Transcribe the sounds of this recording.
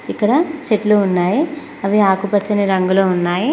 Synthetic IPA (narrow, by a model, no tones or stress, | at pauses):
ikːɐɽɐt͡ʃeʈluunːaːji | ɐʋiaːkupɐt͡ʃːɐneɾɐŋɡuloːunːaːji